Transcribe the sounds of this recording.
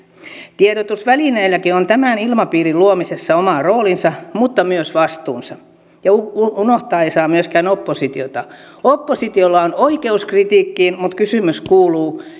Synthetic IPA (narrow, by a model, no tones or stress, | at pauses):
t̪ieɾot̪usʋælineilːækiont̪æmæˑnilmɑpiːriluomisesːɑomɑroːlinsɑmut̪ːɑmyøsʋɑst̪uːnsɑ | jɑuuunoht̪ɑːeisɑːmyøskæːnopːosit̪iot̪ɑ | opːosit̪iolːɑonoikeuskrit̪iːkːiːnmut̪kysymyskuːluː